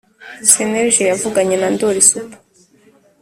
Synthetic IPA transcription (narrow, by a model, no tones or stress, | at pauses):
seneɾʒejavuɡaɲenandoɾisupḁ